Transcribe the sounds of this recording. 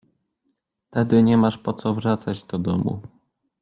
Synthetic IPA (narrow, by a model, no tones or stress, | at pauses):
t̪ɛd̪ɘɲɛmaʂpɔt̪sɔvɾat̪sad͡ʑd̪ɔd̪ɔmṵ